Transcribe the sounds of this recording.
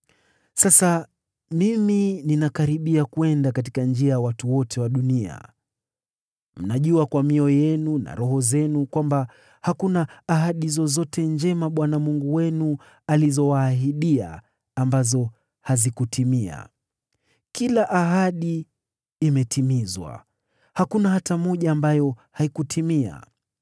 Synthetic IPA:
sasa | mimininakaɾiɓiakuɛndakat̬i̥kand͡ʒiajawatuwɔtʰɛwaɗunia̰ | m̩naʄuakwamiɔjɛnuna̰ɾɔɦɔzɛnukwamba | hakunaːɦaɗizɔzɔtʰɛnd͡ʒɛmaɓwanamuŋɡuwɛnu | alizɔwaːɦiɗia̰ː | mbazɔ | hazikutʰimia̰ | kilaʔaɦaɗiː | mɛtʰimizwa̰ | hakunahatamɔʄaːmbajɔhaikutʰimia̰

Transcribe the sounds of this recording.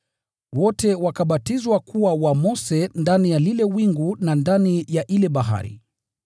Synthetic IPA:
wɔtɛwakaɓatizwakuwawamɔsɛndanijalilɛwiŋɡunandanijaʔilɛɓaɦa̰ɾḭ

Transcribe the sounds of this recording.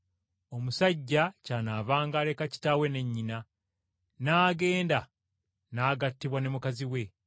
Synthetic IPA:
o̞musaɟːacaːnaːvaːŋɡaːle̞kaci̥taːwe̞ne̞ɲːina | naːɡe̞ːnda | naːɡatːiβwane̞mukaziwe̞

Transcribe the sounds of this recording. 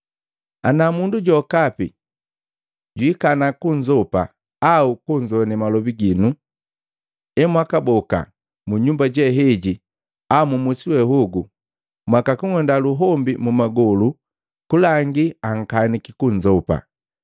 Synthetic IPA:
a̰namunduɟɔkapḭ | ɟwikanakuɲd͡ʒɔpa̰ | aukuɲd͡ʒɔnɛmalɔbiɡinu | ɛmwakabɔka̰ | muɲumbaɟɛɦɛɟi | amumusiwɛɦuɡu | mwakakuŋɛndaluɦɔmbimumaɡɔlu | kulaŋɡiaŋ̩kanikikuɲd͡ʒɔpa̰

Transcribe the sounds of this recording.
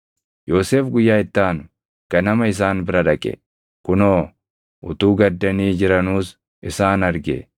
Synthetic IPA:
joːseːfɡʊjːaːɪt̪ːaːn | kɐnɐmɐɪs̬aːnbɪɾɐᶑɐkʼɛ̰ | kʊnoː | ʔʊt̪uːɡɐd̪ːɐniːd͡ʒɪɾɐnuːs | ʔɪsaːnɐɾɡḛ

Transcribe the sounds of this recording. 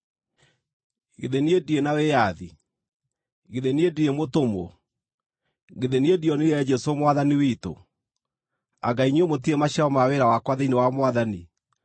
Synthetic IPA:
ɣeðeniedienawejaði | ɣeðeniediemotomɔ̰ | ɣeðeniediɔniɛd͡ʒɛsomwaðaniwito̰ | a̰ɡaiɲiomot̬iemaɕaɔmaweɾawakwaðeinewamwaðani

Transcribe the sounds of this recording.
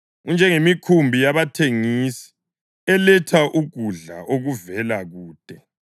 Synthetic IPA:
ɣund͡ʒʱɛŋemikʰumbʱijaβatʰeŋiːsi̥ | ɛlɛtʰaʔuɡ̥ʱuɮa̰ʔoɣuvɛlaɣuːd̥ʼʱɛ

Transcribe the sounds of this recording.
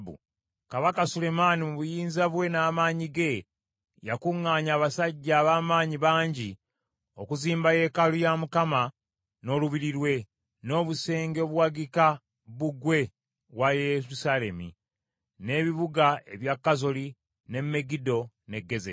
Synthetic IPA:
bṵ | kaβakasule̞manimuβujiːnzaβwe̞naːmaːɲiɡe̞ | jakuŋːaːɲaːβasaɟːaːβaːmaːɲiβaːɲɟi | o̞kuziːmbaje̞ːkalujamukama | no̞ːluβiɾiɾwe̞ | no̞ːβuse̞ːŋɡeoβuwaɡika | βuɡwe̞ | βwajeɾusale̞mḭ | ne̞βiβuɡae̞̰βjakːazoli | ne̞mːe̞ɡido̞ | ne̞ɡːe̞ze

